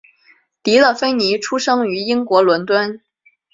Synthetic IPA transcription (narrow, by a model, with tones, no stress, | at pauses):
t̪i˧˥lə˥˧˩fe˥ɪni˧˥ʈ͡ʂʰu˥ʂɤ˥ŋy˧˥i˥ŋkwɔ˧˥lwə˧˥nt̪wa˥n